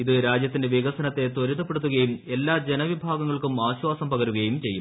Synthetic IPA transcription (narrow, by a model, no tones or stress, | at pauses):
iðɨɾaːd͡ʑjɐt̪ːinde̞ʋiɣɐsɐnɐt̪ːe̞t̪oɾuðɐpːe̞ɽut̪ːuɣɐjume̞lːaːd͡ʑe̞nɐʋibʱaːɡɐŋːɐɭkumaːɕʋaːsɐmpɐɣɐɾuɣɐjumt͡ɕe̞jːum